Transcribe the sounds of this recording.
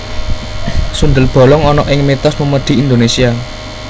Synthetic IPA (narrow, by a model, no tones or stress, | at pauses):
sund̪əlb̥ɔ̤lɔŋɔnɔʔɪŋmet̪ɔsməməɖ̪̥i̤ind̪onesia